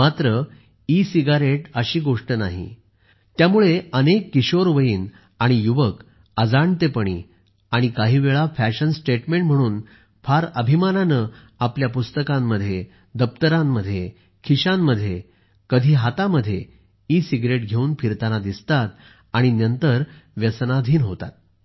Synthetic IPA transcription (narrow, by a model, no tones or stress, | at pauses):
mat̪ɾə | isiɡaɾeʈəɕiːɡoʂʈənaɦḭ | t̪jamuɭeənekːiɕoɾʋəjiːn | aɽ̃ijuʋək | əd͡zaɳt̪epəɽ̃ḭː | aɽ̃ikaɦiːʋeɭafæɕənsʈeʈmẽɳʈm̤əɽ̃uːn | fʰaɾəbʱimananə | apljapust̪əkãmːəd̪ʱːje | d̪əp̚t̪əɾãmːəd̪ʱje | kʰiɕãmːəd̪ʱːje | kəd̪ʱiːɦat̪aməd̪ʱːje | isiɡɾeʈɡʱeuːnpʰiɾt̪anad̪ist̪at̪̚ | aɽ̃inənt̪əɾʋjəsnad̪ʱiːnɦot̪a̰t̪̚